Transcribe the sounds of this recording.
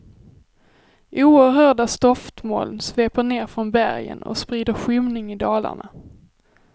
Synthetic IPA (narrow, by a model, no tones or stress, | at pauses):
ʔuːəɾɦœːɖast̪ɔft̪mo̰ːlnsveːpəɳeːɾfɾɔnbæɾjə̰nɔ̰spɾiːd̪əɾɧʏmnɪŋɪd̪ɑːla̰ɳa